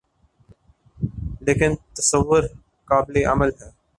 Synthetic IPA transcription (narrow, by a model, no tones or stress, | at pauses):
leːkɪnt̪ɐsəʋːʊɾ | kaːbleʔɐməlɦɛː